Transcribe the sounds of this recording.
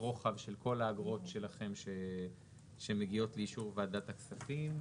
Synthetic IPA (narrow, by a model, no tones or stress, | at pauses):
ʁo̞χavʃe̞lko̞laːɡʁo̞tʃe̞laχe̞mʃe | ʃemeɡio̞tleiʃuʁvaːd̪at̪aksafim